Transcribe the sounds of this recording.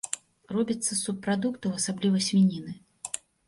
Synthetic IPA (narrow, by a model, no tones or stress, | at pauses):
rɔbʲɐt̪sːɐsupːɾad̪ukt̪ɐwɐsablʲivɐsʲmʲinʲinɨ